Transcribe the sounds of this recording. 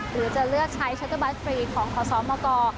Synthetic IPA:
ɾɯː˩˦t͡ɕa˨˩lɯ˥˩ək̚t͡ɕʰa˦˥jt͡ɕʰa˦˥t̪ʰːa˧ba˦˥t̪̚fɾiː˧kʰɔː˩˦ŋkʰɔː˩˦sɔː˩˦mɔː˧kɔː˧

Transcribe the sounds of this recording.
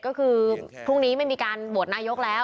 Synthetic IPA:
kɔː˥˩kʰɯː˧pʰɾu˥˩ŋniː˦˥ma˧˥nmiː˧kaː˧nbu˨˩ət̪̚naː˧jo˦˥k̚lɛː˦˥w

